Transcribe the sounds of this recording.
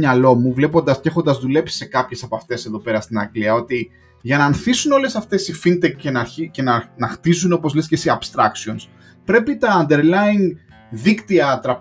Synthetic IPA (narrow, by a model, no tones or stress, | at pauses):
ɲɐlo̞muvle̞po̞nd̪ɐsce̞xo̞nd̪ɐzðule̞psi̥se̞kɐpçe̞sɐpɐft̪e̞seðo̞pe̞ɾɐst̪inɐɡliɐo̞t̪i | ʝɐnɐːnθisuno̞le̞sɐft̪e̞sifint̪ekcenɐɾicenɐnɐxt̪izuno̞po̞zlescesiɐbst̪ɾɐksio̞ns | pɾe̞pit̪ɐːnd̪e̞ɾlɐin | ðikt̪iɐt̪ɾɐ